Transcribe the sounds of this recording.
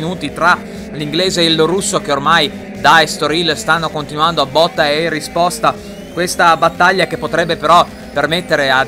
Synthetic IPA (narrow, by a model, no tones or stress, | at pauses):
nuːt̪it̪ɾa | liŋɡleːzeːlːoɾusːok̟eormaj | d̪aest̪oɾilst̪anːokont̪inuand̪oabːɔt̪ːaeerːispɔst̪a | kwest̪abat̪ːaʎːakepːot̪ɾɛbːepeɾɔ | permet̪ːeɾea